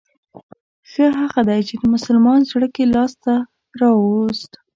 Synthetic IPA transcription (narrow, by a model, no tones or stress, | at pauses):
xəɦaɣad̪ajt͡ʃed̪əmʊsʊlmɑnzɽəkelɑst̪a | ɾɑwozt̪